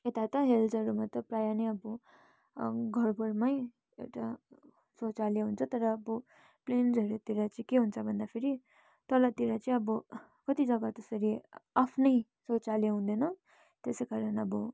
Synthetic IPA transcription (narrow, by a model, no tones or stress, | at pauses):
et̪at̪ʌɦeld͡zʌɾumat̪ʌprajaneʌbu | ɡʱʌrbuɾmaj | ewʈa | sot͡saljeɦunt͡sʰʌt̪ʌɾʌːbʌ | plend͡zʌɾut̪iɾat͡sʌĩkeɦunt͡sʰʌbʱʌnd̪apʰeɾi | t̪ʌlat̪iɾat͡sʌĩʌbʌ | kʌt̪id͡zʌɡat̪esʌɾiapʰnʌj | sot͡saljeɦũnd̪ʌnʌ | t̪esejkaɾʌnʌbʌ